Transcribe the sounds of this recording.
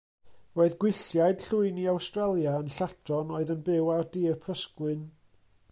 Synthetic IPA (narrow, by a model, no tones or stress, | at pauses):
roːɨðɡwɪɬjajd̥ɬʊɨniawstrɛlˠjaənɬatʰɔnoɨðənbɪwardipʰrəsklˠɨn